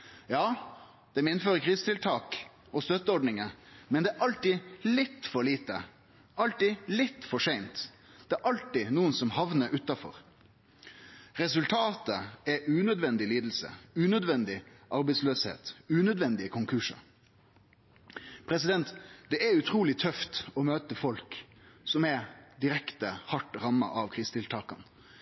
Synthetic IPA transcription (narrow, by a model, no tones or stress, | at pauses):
jɑː | d̪̥ɛmɪnføːɾəkʰʁiːsət̪ɪlt̪ʰɑːk | ɔst̪œt̪ːəɔɖnɪŋəmɛnd̪ɛæɾʔɑlt̪ɪlɪt̪ːfɔɾliːt̪ə | ʔɑlt̪ɪlɪt̪ːfɔʂæɪnt̪ | d̪̥ɛæɾʔɑlt̪ɪnuːənsɔmhɑʋnəɾʔʉt̪ːɑfɔ̰ʁ | ʁɛs̬ʉlt̪ʰɑːt̪əɛʔʉːnœd̪ʋɛnd̪ɪliːd̪l̩sə̰ʉːnœd̪ʋɛnd̪ɪʔɑɾbɛɪt̪sløːshḛːt̪ʉːnœd̪ʋɛnd̪ɪəkʰʊŋkʰʉʂə̰ | pʰɾɛsɪd̪ɛnt̪d̪̥ɛʔɛʉt̪ʰɾuːlɪt̪ʰœft̪ɔmøːt̪əfɔlk | sɔmɛd̪ɪɾɛkt̪əhɑʈɾɑmːɑ̰ʔɑʋkʰɾɪst̪ɪlt̪ʰɑːkɑn